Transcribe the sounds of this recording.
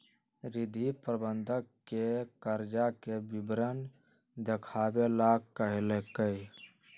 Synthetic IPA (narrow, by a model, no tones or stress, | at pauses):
ɾɪd̪ʱipɾəbənd̪ʱəkkekəɾd͡ʒakebɪbɾən | d̪ekʰabelaɡkːəɦelekə